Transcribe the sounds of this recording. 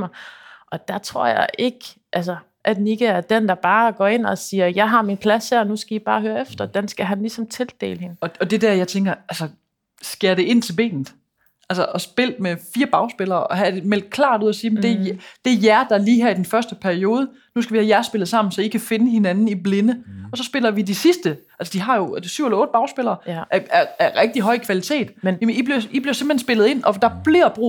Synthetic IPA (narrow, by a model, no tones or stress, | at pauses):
mɑ̈ʔɒ̽d̥ɑt͡sʰʁo̝ɐ̰jɑ̰ɪʔe̝ɡ̥ | ʔæls̬ɐ | ʔæd̥niɡ̥əæɐd̥end̥ɑ̈b̥ɑ̈ːɡ̥ɒ̰ːe̝n̰ɒsiːɐjɑ̈ɪɦɑ̈minpʰlæshæɐnusɡ̥æib̥ɑ̈ːhøːɐefd̥ɐd̥ensɡ̥æɦænlisɒ̽mt͡sʰe̝ld̥e̝̰ːləhe̝nɒ̽ɒd̥e̝dæɐjɑ̈ɪt͡sʰeŋɡ̥ɐælsə | sɡ̥e̝ɐɾe̝ʔe̝n̰t͡sʰe̝lb̥e̝̰ːnð̩ˠ | ʔælsɐʔɒ̽sb̥e̝l̰d̥̚mefiːɐb̥ɑ̈ʊsb̥elɐːʔɒ̽ɦæd̥emel̰d̥̚kʰlɑ̰̈ːd̥uð̰ˠɐsiːemnd̥e̝d̥e̝jæɐd̥ɑ̈liːɦæɐid̥enfɶɐsd̥əpʰæɐio̝ːð̞ˠə | nusɡ̥æʋihæjæɐsb̥e̝lð̞̩ˠsɑ̈m̰n̩sɒ̽ikʰæfe̝nəɦe̝nænn̩ible̝nəɒ̽sɒ̽sb̥e̝lɐʋid̥isisd̥əʔælsəd̥iɦɑ̈jo̝syʊ̰helɐɔ̽ːd̥əb̥ɑ̈ʊsb̥e̝lɐːʔæɐæʁɛɡ̥̚d̥iɦɒ̽ɪ̰kʰʋælit͡sʰe̝̰ːd̥nmib̥liib̥liɐsemb̥̩l̩hensb̥e̝lð̩ˠe̝n̰ɒ̽d̥ɑ̈b̥liɐ̰b̥ʁṵ